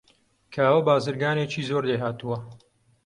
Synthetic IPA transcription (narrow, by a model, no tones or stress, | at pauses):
kʰaːwɐbaːzɨɾɡaːneːt͡ʃiːzoːɾleɦaːt̪uwɐ